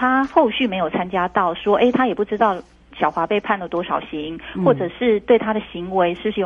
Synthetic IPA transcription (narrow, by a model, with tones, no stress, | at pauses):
t̪ʰa˥xo˥˧ʊɕy˥˩me˧˥ɪjo˨˩ʊt͡sʰa˥nt͡ɕja˥t̪ɑ˥˩ʊʂwɔ˥ʔe˥˩ɪt̪ʰa˥jɛ˨˩pu˥˩ʈ͡ʂɻ̩˥t̪ɑ˥˩ʊ | ɕjɑ˨˩ʊxwa˧˥pe˥˧ɪpʰa˥˩nlə˩t̪wɔ˥ʂɑ˨˩ʊɕi˧˥ŋxwɔ˥˩ʈ͡ʂɤ˨˩ʂɻ̩˥˧t̪we˥˩ɪt̪ʰa˥d̪ə˨ɕi˧˥ŋwe˧˥ɪʂɻ̩˥˩ʂɻ̩˥˧˩